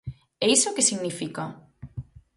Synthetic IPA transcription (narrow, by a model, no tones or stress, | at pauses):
ɛisokesiɣnifika